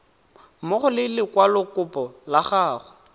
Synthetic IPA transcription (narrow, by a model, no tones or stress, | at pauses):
mʊχʊlɪlɪkwalʊkʊpɔlaχaːχʊ